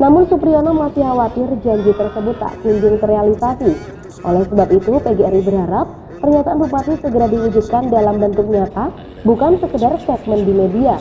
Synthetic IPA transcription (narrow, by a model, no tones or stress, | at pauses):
namʊnsupɾionamasiɦawat̪ɪrd͡ʒaɲd͡ʒit̪ərsəbʊt̪ːa̰ʔkiɲd͡ʒʊŋt̪əɾealisasi | ʔolɛhsəbapit̪upeɡeɛɾibərɦaɾapː | ərɲat̪aʔanbupasisəɡəɾadiwud͡ʒut̪̚kandalambənt̪ʊk̚ɲat̪a | bukansəkədarsɛt̪̚məndimedia